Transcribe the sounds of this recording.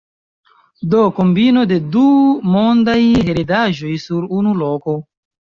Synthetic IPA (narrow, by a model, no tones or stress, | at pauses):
dokombino̞de̞dumondajheɾedaʒo̞jsuɾunuloko̞